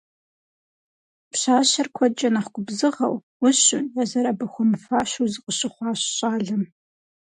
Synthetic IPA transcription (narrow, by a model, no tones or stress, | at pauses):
pɕaːɕɐrkʷʰɔt͡ʃʼɐnaχɡʷʼʊbzɨʁɐ̰wwʊɕʊjazɐɾabɨxʷʊmfaːʃuzɨqəɕɪχʷɑːɕɕʼaːɮɐm